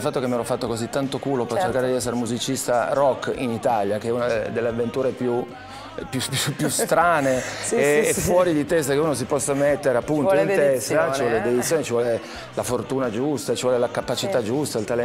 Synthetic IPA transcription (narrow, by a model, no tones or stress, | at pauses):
lfat̪ːokemieɾɔfːat̪ːokozit̪ːant̪okuːlopert͡ʃːerkaːɾed̪iɛsːeɾemuzit͡ʃist̪arɔkːḭnit̪aljakeɛunad̪elːeavːent̪uːɾepju | pjupupːjust̪ɾaːneː | fːwɔːɾid̪it̪ɛst̪akeuːnos̬ipɔsːamet̪ːeɾeapːunointt̪ɛst̪at͡ʃlivɔled̪ed̪it̪sːjoːnet͡ʃivɔle | lafort̪uːnad͡ʒust̪at͡ʃivɔlelakapat͡ʃit̪ad͡ʒust̪ailt̪alɛ